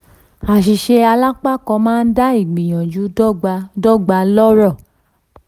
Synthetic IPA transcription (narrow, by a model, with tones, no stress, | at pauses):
a˨ʃi˨ʃe˧a˧la˦k͡pa˦kɔ̃˧mãː˦n̩˦da˦i˦˨ɡ͡bĩ˨j̃ã˨d͡ʒu˨˦˧dɔ˦ɡ͡ba˧lɔ˦ɾɔ˦˨